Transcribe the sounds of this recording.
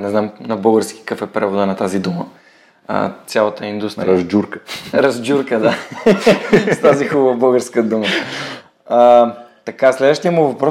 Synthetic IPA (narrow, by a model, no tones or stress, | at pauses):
nɛznamnɐbɤlˠɡəɾsk̟i̥kafɛpɾɛvod̪ənɐt̪azid̪umə | ə̰t̪sʲjalˠɐt̪əind̪ust̪ɾiɾɐzd͡ʒuɾkəɾɐzd͡ʒʲuɾkəd̪a | st̪azixubəvəbəlˠɡəɾskəd̪umə | ət̪ɐkaslɛd̪vəʃt̪iəmuvɐpɾɔ